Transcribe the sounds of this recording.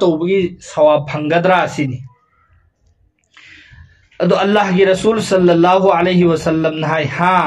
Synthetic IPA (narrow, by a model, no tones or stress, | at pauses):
tɐwbɐɡisɐwapʰːɐŋɡɐd̪ɾaɐsini | ɐd̪uɐlːahɡiɾɐsulsɐlːɐlːaɦualejɦiwɐsɐlːɐmnɐɦajhã